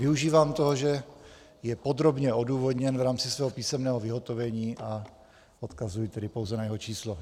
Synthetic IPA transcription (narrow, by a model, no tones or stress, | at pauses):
vɪuʒiːvaːmt̪oɦoʒɛ | jɛpod̪ɾo̞bɲɛoduːvod̪ɲɛnvɾaːmt͡sɪsvɛːɦopiːsɛmnɛːɦovɪɦo̞t̪ovɛɲiːʔa | ot̪kazujt̪ɛdɪpowzɛnajɛɦot͡ʃiːslo